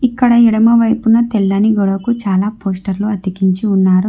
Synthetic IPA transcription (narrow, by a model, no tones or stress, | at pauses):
ikːɐɽɐiɽɐmɐʋɐjpunɐt̪elːɐniɡɔɽɐkut͡ʃaːlaːpo̞ːsʈɐɾluɐt̪ikiɲt͡ʃiunːaːɾu